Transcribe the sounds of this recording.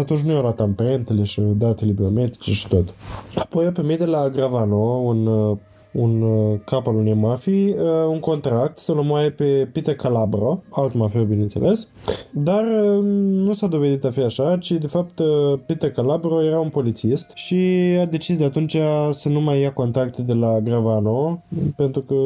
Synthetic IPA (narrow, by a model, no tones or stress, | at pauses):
at̪unt͡ʃ̬nujawlat̪ampaɾent̪ele̞ʃid̪at̪ele̞bio̞me̞t̪i̥t͡ʃeʃi̥t̪ot̪apo̞japemit̪d̪elaɡɾavano̞un | unkapalunemafiəuŋko̞nt̪ɾak̚t̪səlomwajepe̞pit̪əkalabɾo̞alt̪mafiawbine̞nt̪se̞̰lʔe̞s | d̪arənusad̪o̞ve̞d̪it̪afiaʃat͡ʃid̪e̞fap̚t̪əpit̪əkalabɾo̞je̞ɾaunpo̞lit̪sist̪ʃiad̪e̞t͡ʃis̬d̪eat̪unt͡ʃasənumajːako̞nt̪ɾakt̪ed̪e̞laɡɾavano̞pe̞nt̪ɾukə